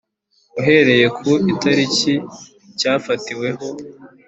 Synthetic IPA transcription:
uɦe̞ɾe̞je̞kʰuitaɾici | caːfatiwe̞ɦo̞

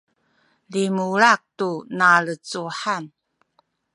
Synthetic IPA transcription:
limuɭak̚tunaɭət͡suħan

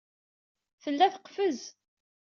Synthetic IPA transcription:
θəlːæθə̥qfəz

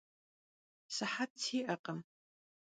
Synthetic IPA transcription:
sɐħat̚tʰiːʔɐqʼɐm

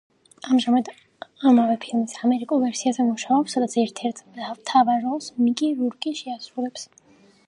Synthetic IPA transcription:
amʒamad̪ | amavɛpʰilˠmisamɛɾikʼulˠvɛɾsiazɛmuʃaɔpsːad̪at̪sʰɛɾt̪ʰɛɾt̪ʰavt̪ʰavaɾɔsmikʼiɾuɾkʼiʃɛasɾulɛps

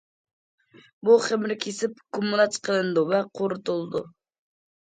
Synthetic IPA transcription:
buχɪmɾkʲʰesɪpkʰʊmːulˠat͡ʃ̪qʰəlˠɨnd̪uvɛqʰoɾʊt̪ulˠd̪ʊ̰

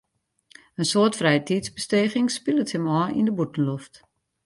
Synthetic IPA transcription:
ənsoːtfrɛjətitsbəsteːχɪŋspilˠəthəmɔːʔḭndəbutən̩loft

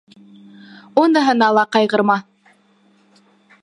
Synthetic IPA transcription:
unɤ̆ɦɤ̆nɑlˠɑqɑjʁɤ̆ɾmɑ

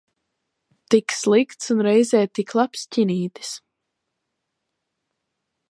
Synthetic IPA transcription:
t̪ikslˠikt̪sunɾɛjzɛːt̪iklˠapscʲiniːt̪i̥s

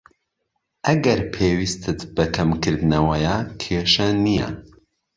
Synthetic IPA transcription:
ʔɐɡɐɾpʰeːwist̪ʰɨt̪bɐkʰɐmkʰɨɾd̪ɨnɐwɐjakʰeʃɐnijɐ̰

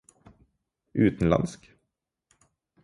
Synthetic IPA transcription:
ʔʉːt̪n̩lɑ̰nsk

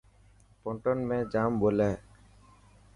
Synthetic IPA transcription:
pɔɳʈɔnmẽd͡ʒambolɛ

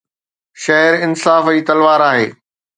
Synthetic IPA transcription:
ʃɐɦɪɾɪnsaːfiːt̪ɐlʋaːɾaːɦḛː

